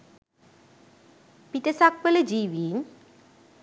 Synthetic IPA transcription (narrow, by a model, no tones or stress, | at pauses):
pit̪əsak̚ʋələd͡ʒiːʋiːn